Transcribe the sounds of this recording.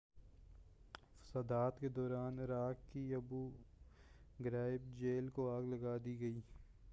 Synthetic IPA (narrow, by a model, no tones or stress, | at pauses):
sɐd̪aːt̪ked̪ɔːɾaːnɾaːkkiɐbu | ɡɾaːɪb̚d͡ʒeːlkoaːɡlɐɡaːd̪iɡɐiː